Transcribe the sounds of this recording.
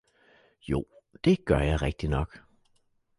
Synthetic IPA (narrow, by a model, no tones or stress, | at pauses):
jṵːd̪̥eɡ̥œɐjaɪʁɛɡ̥̚d̪̥ɪnɔk